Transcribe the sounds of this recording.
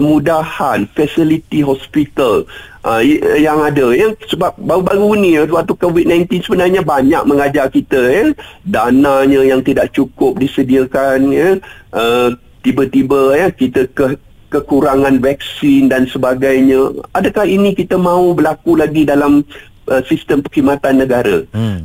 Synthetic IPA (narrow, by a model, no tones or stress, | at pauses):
əmudahanfɛsilit̪iɦɔspit̪alʔəjaŋadəjəsəbap̚baubaɡunĩət̪uat̪ukovid̚nãjnt̪insəbənarɲəbaɲa̰k̚məŋad͡ʒarkit̪əjədanaɲə̃jaŋt̪idaʔt͡ʃukʊp̚disədiəkanjə | ʔə | t̪ibət̪ibəjəkit̪əkə | kəkuɾaŋãnvɛk̚sɪndansəbaɡajɲəadəkahinikit̪əmãubəlakulaɡidalam | ʔəsist̪əmpəhimat̪anːəɡaɾə̰